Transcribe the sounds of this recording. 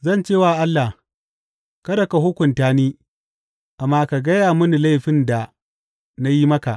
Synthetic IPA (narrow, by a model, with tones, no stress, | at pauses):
zɐ˦˨nt͡ʃeː˦˨waː˦˨ʔa˦lːa˨h | kɐ˦dɐ˨ka˨ɦʊ˦kʷʊ˨ntaː˦niː˦ | ʔa˨mːaː˦ka˨ɡɐ˦jaː˨mʊ˦ni˨la˦jɸɪ˦nda˨ | na˦ji˦mɐ˦ka̰˨ʔ